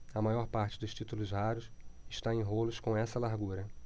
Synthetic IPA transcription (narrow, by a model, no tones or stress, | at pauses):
ɐmajɔɾpaɾt͡ʃɪ̥d̪ʊʃt͡ʃit̪ulʊzɦaɾʊsɪʃt̪aẽj̃ɦolʊskõw̃ɛsɐlaɾɡuɾɐ